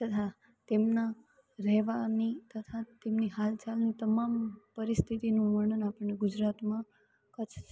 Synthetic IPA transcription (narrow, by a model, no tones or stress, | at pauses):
t̪ət̪ʰa | t̪emna | ɾɛʋanit̪ət̪ʰat̪emniɦalt͡ʃalnit̪əmampəɾist̪ʰit̪inũʋəɳənapəɽːeɡʊd͡ʒɾat̪mã | kət͡ʃʰ